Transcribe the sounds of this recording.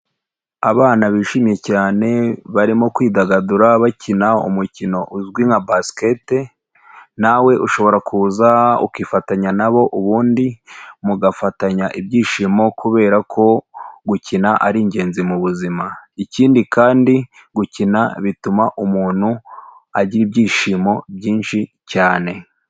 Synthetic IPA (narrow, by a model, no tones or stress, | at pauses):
aβaːnaβiːʃiːmje̞caːne̞βaɾimo̞kwiːdaɡaduɾaβacʰinaṵmucino̞ʔuzɡwiŋabaskete | nawe̞ʔuʃo̞βo̞ɾakʰuːzaṵkifataɲanaβo̞ʔuβuːndimuɡafataɲaʔibɟiːʃiːmo̞kʰuβe̞ːɾakʰo̞ɡucinaʔaɾiɲɟe̞ːnzimuβuzimaiciːndikaːndi | ɡucinaβitumaʔumuːn̥hu | aɟiɾibɟiːʃimo̞bɟiːnʃi | caːne̞